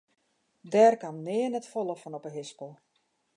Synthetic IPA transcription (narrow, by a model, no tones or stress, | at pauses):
dɛːrkamnɪənɛtfɔlˠəfənɔpəɦɪspəlˠ